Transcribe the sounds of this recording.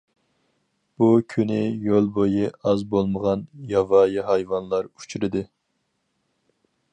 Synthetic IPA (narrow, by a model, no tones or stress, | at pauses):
b̥ukʲʰynɪjolˠbojiɑzbolˠməʁɑnjɑvɑjɑɦɑjvɑnlˠɑɾu̥t͡ʃʰyɾɪd̪ɨ